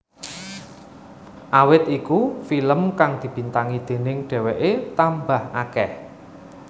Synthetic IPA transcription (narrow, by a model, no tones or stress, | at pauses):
ʔawɪt̪ikufiləmkaŋd̪̥i̤b̥i̤nt̪aŋid̪̥e̤nɪŋɖ̥ɛ̤weʔet̪ambahʔakɛh